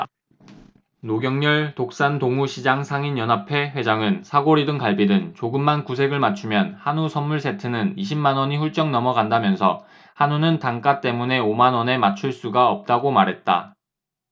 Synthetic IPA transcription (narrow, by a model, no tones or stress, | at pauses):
noɡjʌŋɲʌɭtok̚s͈antoŋuɕʰid͡ʑaŋsʰaŋinjʌnapʰe̞ɸwe̞d͡ʑaŋɯnsʰaɡoɾidɯŋkaɭbidɯnt͡ɕoɡɯmːankus̬ʰe̞ɡɯɭmat͡ɕʰumjʌnhanusʰʌnːuɭsʰe̞tʰɯnɯniɕʰimmanwʌɲiɸuɭt͡ɕ͈ʌŋnʌmʌɡandamjʌnsʰʌ̰ | hanunɯntaŋk͈at͈e̞mune̞omanwʌne̞mat͡ɕʰuɭs͈uɡaʌp̚t͈aɡomaɾɦe̞t̚t͈a̰